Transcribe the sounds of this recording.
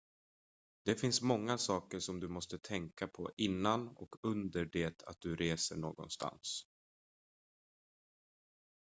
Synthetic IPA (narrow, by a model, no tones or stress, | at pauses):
d̪̥ɛfɪnsmɔŋːasɑːkəʂɔmd̪ɵmɔst̪ət̪ʰɛŋkapʰɔʔɪnːanɔ̰kʰɵnd̪əɖeːt̪ʰa̰t̪̚d̪̥ɵɾeːsə̰ɳo̰ːɡɔ̰nst̪ʰa̰ns